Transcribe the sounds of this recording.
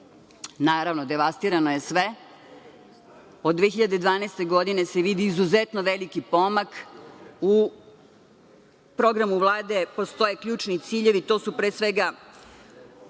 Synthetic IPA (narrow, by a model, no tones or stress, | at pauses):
naːɾaʋnod̪e̞ʋast̪iɾanoje̞sʋe | o̞d̪ʋeːçiʎad̪ed̪ʋaːneːst̪eɡo̞d̪ine̞seʋid̪iːzuzet̪noʋelikipo̞mak | u | pɾo̞ɡɾamuvlˠaːd̪e̞po̞st̪o̞jekʎuːt͡ʃnit̪siːʎe̞ʋit̪o̞ːsupɾeːsʋeɡa